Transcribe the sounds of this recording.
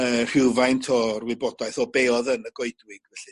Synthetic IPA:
ər̥ɪwvajntʰɔrwɪbɔdaɨθɔbeːɔðənəɡ̥oɨdwɪɡ̥vɛɬɨ

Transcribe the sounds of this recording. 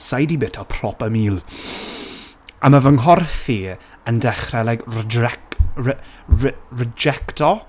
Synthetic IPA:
sajdibɪtʰɔpʰrɔpəmiːlˠ | amavəŋɦɔrθi | əndɛχrɛlaɡɛ | rɛd͡ʒɛktɔ

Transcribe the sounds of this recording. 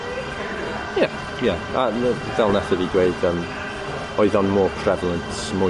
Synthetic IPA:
ja | jaa | vɛlˠnaθədiɡweɨd̥əm | ɔɨðɔnmɔːpʰr̥ɛvəlˠəntʰ | mʊ

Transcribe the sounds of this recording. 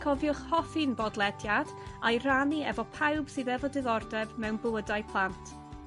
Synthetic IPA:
kʰɔvjʊχhɔfinbɔdlˠɛdjad̥ | ajraniɛ̰vɔpʰawb̥sɨðɛvɔdɪðɔrdɛvmɛwnbʊədajpʰlˠantʰ

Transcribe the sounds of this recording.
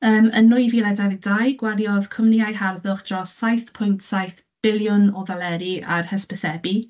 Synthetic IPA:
əːmənːʊɨjvilˠɛdɛðɪɡ̚d̥ajɡ̥waljɔðkʰɔmniajɦarðʊχd̥rɔsːajθpʰʊjntʰsajθ | b̥ɪljʊnɔðalɛɾia̰rhəspəsɛbi

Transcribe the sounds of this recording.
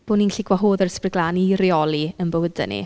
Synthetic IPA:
b̥oːninɬiɡwaɦoːðərsprɪɡlˠaːniɾiɔlˠiənbəwədɛ̰nḭ

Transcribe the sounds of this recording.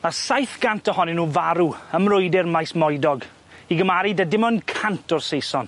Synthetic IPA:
asajθɡ̥antʰəhɔnɪnuːvaɾuəmrʊjdɛrmajsmɔjdɔɡ | iɡəmaɾidadɪmɔnkʰantʰɔrsejsɔn

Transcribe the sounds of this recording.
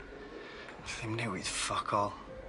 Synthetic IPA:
θɪmnɛwɪð̥fɔkʰɔlˠ

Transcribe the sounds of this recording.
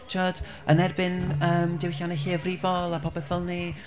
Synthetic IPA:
t͡ʃʰɔd̥ | ənɛrbɪnəːmdɪwɬanɛɬeːvrɪvɔlˠapʰɔbɛθəlˠni

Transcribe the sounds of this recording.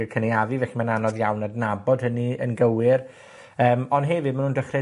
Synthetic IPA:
əkʰənejavɨvɛɬimananɔðjawnadnabɔd̥həniənɡəwɪr | əːmɔndɦɛvɪd̚manuːndəχrɛ

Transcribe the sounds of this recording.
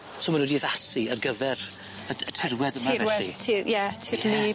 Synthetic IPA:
sʰoːmanwɛdiðasiərɡəvɛɾ | əətʰɪrwɛðəmavɛwɛsitʰijɛtʰirni

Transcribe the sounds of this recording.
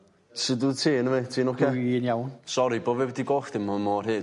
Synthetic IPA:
sɪdutʰiːnəmetʰiːnɔkʰɛinjawnsɔɾibovɛwdiɡoːxd̥ɪmɔmɔːrɦɨː

